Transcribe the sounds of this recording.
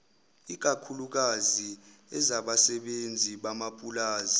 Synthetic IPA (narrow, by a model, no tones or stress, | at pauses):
ik̬akʰuluk̬aziɛzaɓasɛɓend͡zʱiɓamapʼulaːzi